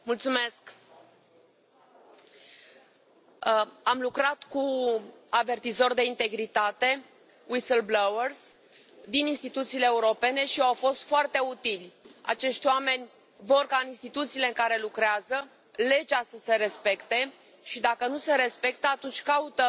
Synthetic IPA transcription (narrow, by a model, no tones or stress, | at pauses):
mult̪sume̞sk | amlukɾat̪kuave̞rt̪izo̞rd̪e̞int̪e̞ɡɾit̪at̪e̞ | wisəlblawers | d̪ininst̪it̪ut̪siːleːuɾo̞pe̞ne̞ʃiawfo̞st̪foart̪e̞ut̪ilʲa̰t͡ʃe̞ʃt̪ʲwame̞nʲ | vo̞rkaɨninst̪it̪ut̪siːle̞ɨŋkaɾe̞lukɾeazə | le̞d͡ʒasəse̞ɾe̞spe̞kt̪e̞ | ʃid̪akənuse̞ɾe̞spe̞k̚t̪əat̪unt͡ʃʲkaut̪ə